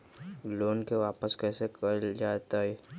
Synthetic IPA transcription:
loːnkeʋaːpəskɛːsekɐld͡ʒaːt̪aɦɛː

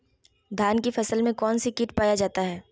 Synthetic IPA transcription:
d̪ʱaːnkifɐsəlmẽkɔːnsikɪʈpaːjad͡ʒaːt̪aɦɛː

